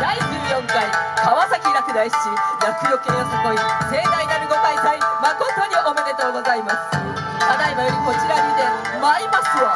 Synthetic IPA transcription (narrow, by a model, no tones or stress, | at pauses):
d̪aid͡ʑɨːjõ̞ŋkaikaβasakʲiɾakɯ̟d̪aiɕi̥t͡ɕiijakɯ̟jokẽjosako̞ise̞ːd̪ainaɾɯ̟ɡo̞maisaimako̞t̪o̞ɲ̟iʔomanet̪aoɡo̞zaimasɨ̥ | kad̪aibajoɾʲiko̞t͡ɕiɾamid̪e̞ | maimasɨa